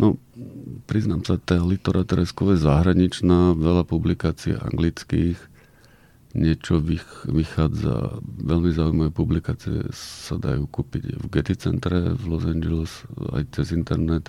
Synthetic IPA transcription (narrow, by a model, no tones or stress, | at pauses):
nɔ | pɾiznaːmsat̪alit̪ɔɾʔat̪ɛɾɛskɔʋjɛzaɦɾaɲit͡ʃnaːʋɛʎapublikaːt͡siɛ̰ʔa̰ŋɡlit͡skiːx | ɲɪɛt͡ʃɔʋiʋixaːd͡za̰ʋɛʎmizaːujmaʋɛːpublikaːt͡siɛ̰sad̪a̰juːkuːpḭɟvɡɛt̪it͡sɛ̰nt̪ɾɛvlɔzand͡ʒɛlɛsa̰jt͡sɛzint̪ɛɾnɛt̪